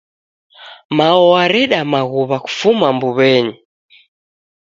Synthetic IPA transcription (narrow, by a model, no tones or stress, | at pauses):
maɔaɾɛɗamaɣuβaku̥fumambuβɛɲi